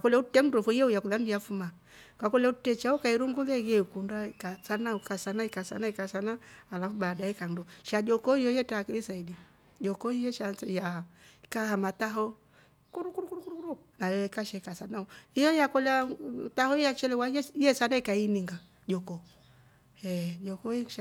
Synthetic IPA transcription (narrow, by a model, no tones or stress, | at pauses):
kakɔlɛutɛm̩dufuijɛujakulandijafuma | kakɔlɛutɛt͡ʃaɔkaiɾuŋɡulɛjɛikundaikasanaukasanaikasa̰naikasanaːlafuɓadaikandɔʃad͡ʒɔkɔijɔjɛtakilisaidi | d͡ʒɔkɔijɛʃajaikahamataɦɔ | kuɾukuɾukuɾukuɾukuɾu | najɛɛkaʃɛkasanauijɔjakɔlatahɔijat͡ʃɛlɛwaɛjɛsanaikainiŋɡa | d͡ʒɔkɔ | ɛjɔkɔi